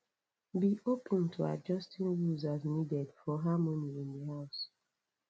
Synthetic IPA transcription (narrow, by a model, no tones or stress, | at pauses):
biʔopʰə̃ntʰua̰d͡ʒɔstĩnwuzaznidɛdfɔɦamɔniɪ̃ndəɦaʊs